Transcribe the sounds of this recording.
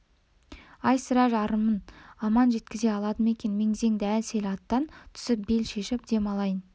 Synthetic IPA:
ɑjsəɾɑʒɑɾəmənɑmɑnʒe̞t̪kʲɪze̞ɑlˠɑd̪əme̞kʲe̞nme̞ŋɪze̞ŋd̪ɪælse̞lʲɑt̪ːɑnt̪ʰʏ̥sɪp̚be̞lʃe̞ʃɪp̚d̪e̞mɑlˠɑjən

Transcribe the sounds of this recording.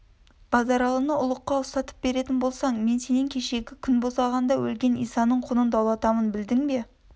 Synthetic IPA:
b̥ɑzɑɾɑlˠənəʔʊlˠəqːɑʊst̪ɑt̪ə̥p̚be̞ɾe̞t̪ɪnbo̞lˠsɑɴme̞nse̞nɪŋkʲʰe̞ʃe̞ɡʲɪkʲʰʏnbosɑʁɑnd̪ɑwɵlɡʲe̞nijsɑnəɴqʰʊnənd̪ɑwlˠɑt̪ɑmənbɪld̪ɪŋbe̞

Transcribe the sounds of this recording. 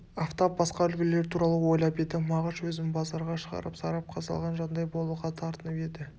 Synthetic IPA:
ɑft̪ɑp̚bɑsqɑʏlɡʲɪle̞ɾt̪ʰuɾɑlˠəwo̞jlˠɑpe̞d̪ɪmɑʁəʃwɵzɪnbɑzɑɾʁɑʃəʁɑ̰ɾəpsɑɾɑp̚qʰɑsɑ̰lˠʁɑnʒɑnd̪ɑjbo̞lˠuʁɑt̪ʰɑɾt̪ənəpe̞d̪ɪ

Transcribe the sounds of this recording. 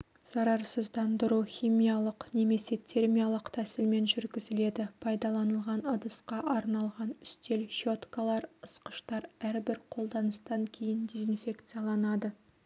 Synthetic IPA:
z̥ɑɾɑɾsəzd̪ɑnd̪əɾuχʲijmijɑlˠəqne̞me̞se̞t̪ʰe̞ɾmijalˠəqt̪ʰæsɪlme̞nʒʏɾɡʲɪzɪle̞d̪ɪpʰɑjd̪ɑlˠɑnəlˠʁɑnɑd̪əsqɑʔɑɾnɑlˠʁɑnʏst̪e̞lʃo̞t̪kalˠɑɾəsqə̥ʃt̪ɑɾæɾbɪɾqʰo̞lˠd̪ɑnəst̪ɑŋkʲʰe̞jɪnd̪e̞zinfʲe̞kt̪sɨjalˠɑnɑd̪ə

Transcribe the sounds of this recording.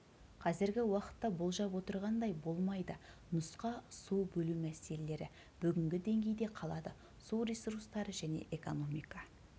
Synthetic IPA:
qʰɑzɪɾɡʲɪwɑqə̥t̪ːɑbolˠʒɑpwo̞t̪əɾʁɑnd̪ɑjbo̞lˠmɑjd̪ə | nʊsqɑsuwbɵlumæse̞le̞le̞ɾɪ̰ | b̥ʏɡʲɪŋɡʲɪd̪e̞ŋɡʲe̞jd̪e̞qʰɑlˠɑd̪ə | suwrisuɾst̪ɑɾəʒæne̞̰ʔeko̞no̞mijkɑ

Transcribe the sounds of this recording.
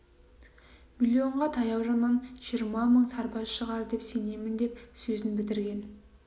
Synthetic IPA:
mʲilʲio̞ɴʁɑt̪ʰɑjɑwʒɑnɑnʒijəɾmɑməɴsɑɾpɑʃəʁɑɾd̪e̞pse̞ne̞mɪnd̪e̞psɵzɪnbɪd̪ɪɾɡʲe̞n

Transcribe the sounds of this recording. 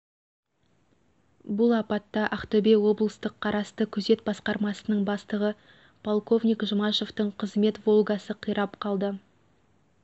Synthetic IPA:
bʊlˠɑpɑt̪ːɑʔæχt̪ɵbewo̞blˠəst̪əqʰːɑɾɑst̪əkʲʰɵze̞t̪̚bɑsqɑɾmɑsənəɴbɑst̪əʁə | pʰolˠko̞vnʲijkʒəmɑʃo̞ft̪əɴqʰəzme̞t̪vo̞lˠɡɑsəqʰəjɾɑpqʰɑlˠd̪ə

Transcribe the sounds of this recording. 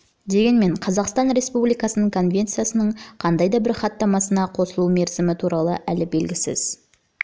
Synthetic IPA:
d̪e̞ɡʲe̞nme̞ɴqʰɑzɑqst̪ɑnɾe̞spublijkɑsənəɴkʰo̞nvʲe̞nt̪sɨjasənəɴqʰɑnd̪ɑjd̪ɑbɪɾχɑt̪ːɑmɑsənɑqʰo̞səlˠume̞ɾzɪmɪt̪ʰuɾɑlˠəʔælɪbe̞lɡʲɪsɪ̰z̥

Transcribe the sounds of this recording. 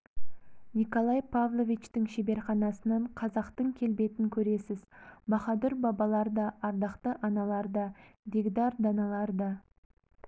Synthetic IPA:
niko̞lˠɑjpʰavlˠo̞vʲit͡ʃt̪ɪŋʃebe̞ɾχɑnɑsənɑɴqʰɑzɑqt̪əŋkʲʰe̞lbe̞t̪ɪŋkʲʰɵɾe̞sɪzbɑχɑd̪ʊɾbɑbɑlˠɑɾd̪ɑʔɑɾd̪ɑqt̪əʔɑnɑlˠɑɾd̪ɑdeɡd̪ɑɾd̪ɑnɑlˠɑɾd̪ɑ

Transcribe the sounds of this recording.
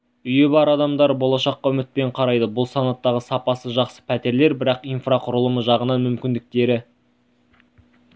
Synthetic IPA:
ʏjebɑɾɑd̪ɑmd̪ɑɾbolˠɑʃɑqːɑɵmɪt̪̚pe̞ɴqʰɑɾɑjd̪əbʊlˠsɑnɑt̪ːɑʁəsɑpɑsəʒɑqsə̥pʰæt̪e̞ɾle̞ɾbɪɾɑqijnfraqʰʊɾəlˠəməʒɑʁənɑnmʏmkʲɪnd̪ɪk̚t̪e̞ɾɪ

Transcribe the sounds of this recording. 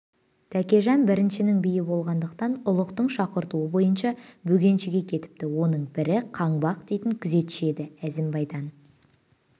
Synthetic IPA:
t̪ʰækʲe̞ʒɑnbɪɾɪnʃɪnɪŋbijɪbo̞lˠʁɑnd̪əqt̪ɑnʊlˠəqt̪əɴʃɑqəɾt̪uəbo̞jənʃɑbɵɡʲe̞nʃɪɡʲe̞kʲʰe̞t̪ɪ̥p̚t̪ɪwo̞nəɴbɪɾɪqʰɑɴbɑqd̪e̞jt̪ɪŋkʲʰʏze̞t̪ɪ̥ʃe̞d̪ɪæzɪmbɑjd̪ɑn

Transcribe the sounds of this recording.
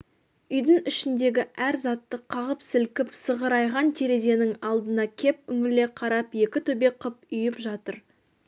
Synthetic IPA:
ʏjd̪əŋʏʃɪnd̪e̞ɡʲɪʔæɾzɑt̪ːəqʰːɑʁəpsɪlkʲɪpsəʁəɾɑjʁɑnt̪ʰe̞ɾe̞ze̞nɪŋɑlˠd̪ənɑkʲʰe̞p̚ʏŋɪle̞qʰɑɾɑpje̞kʲɪt̪ʰɵbe̞qʰəp̚ʏjɪpʒɑt̪əɾ

